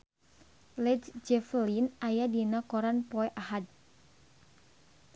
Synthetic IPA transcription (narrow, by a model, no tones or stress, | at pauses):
lɛdd͡ʒɛflinajadinakɔɾanpɔɛʔahad̚